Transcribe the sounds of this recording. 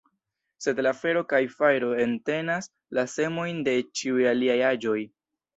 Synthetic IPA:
se̞dlafe̞ɾo̞kajfajɾo̞e̞nte̞nas | lase̞mo̞jnde̞t͡ʃiujaliajad͡ʒo̞j

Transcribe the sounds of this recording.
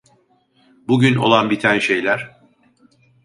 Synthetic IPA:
buɟyno̞̰lˠanbit̪ʰænʃe̞jlʲæɾ̥

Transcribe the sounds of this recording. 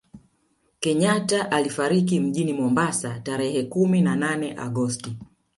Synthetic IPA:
kɛɲataʔalifaɾik̬im̩ʄinimɔmbasataɾɛhɛkuminananɛʔa̰ɠɔsti

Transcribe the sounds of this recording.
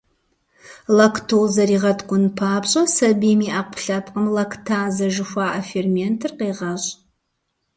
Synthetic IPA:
lɐktʰozɐɾiːʁɐtʰkʷʼʊnpʰaːpɕʼɐsɐbiːmiːʔaqʷʰʊ̥ɬapʰqəmlɐkʰtʰaːzɐʒɪxʷaːʔafermentʰɨrqejʁɐɕʼ

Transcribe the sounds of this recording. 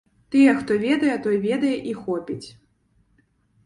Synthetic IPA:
t̪ɨjɛxt̪ɔvʲɛd̪ɐjɛt̪ɔjɛvʲɛd̪ɐjɛʔixɔpʲit͡sʲ

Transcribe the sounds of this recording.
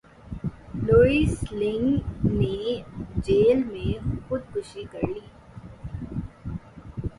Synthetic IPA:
loːislɪ̃ŋɡned͡ʒeːlmẽxʊd̪̚kʊʃikəɾliː

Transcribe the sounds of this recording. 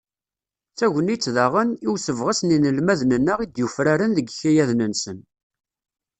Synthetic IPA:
θæʝənit͡sːðaʁəniwsəvʁəsninəlmæðnənːəʁid̪jufɾaɾənðəɡçæjæðnənsən

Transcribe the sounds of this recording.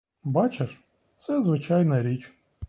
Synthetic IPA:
bat͡ʃɪʂ | t̪sɛzʋɪt͡ʃajnɐɾʲit͡ʃʲ

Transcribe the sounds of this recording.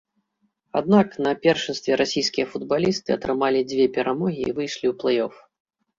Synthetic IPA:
ad̪̚naknɐpʲɛrʂɨnst̪vʲɛɾʔasʲijskʲijɐfud̪̚balʲist̪ɨɐt̪ɾɨmalʲid͡zʲvʲɛpʲɛɾʔamɔɣʲḭːvɨjʂlʲiwplˠɛjɔf

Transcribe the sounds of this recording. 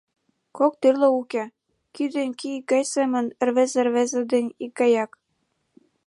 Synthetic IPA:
kok̚t̪irlɤ̆ukʲĕ | kyd̪ĕnʲkiik̚ɡɑjsemə̆nɘ̆rβĕzĕrβezĕd̪ĕnʲik̚ɡɑjɑk

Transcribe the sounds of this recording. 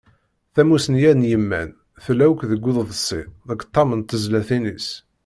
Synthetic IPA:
θæmusənjænjəmːæ̰n | θlæwkðəɡʷːʊððəsːiðəkt̪ˤːɑmənt̪əzlæθinis

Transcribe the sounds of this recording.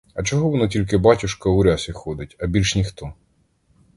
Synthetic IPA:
ɐt͡ʃɔɦɔʋɔnɔtʲilʲk̬ɪbɑtʲʊʃkɐʊɾʲasʲixɔd̪ɪtʲɐbʲilʲʃnʲixt̪ɔ

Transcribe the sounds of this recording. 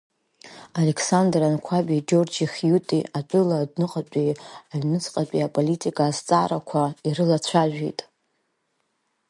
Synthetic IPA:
ale̞kʰsandrankʷʰabid͡ʒo̞rd͡ʒiχjutʼiat͡pʼʊladnɨqʼat͡pʼiaɥmɨt͡sʰʼqʼat͡pʼiapʼolitʰʼikʼaːzt͡sʼaːɾakʷʰairɨlat͡ɕʷʰaʒʷᶣijtʼ

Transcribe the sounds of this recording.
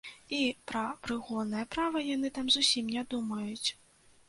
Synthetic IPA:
ipɾɐpɾɨɣɔd̪nɐjɐpɾavɐjanɨt̪amzusʲimnʲɛd̪umɐjut͡sʲ

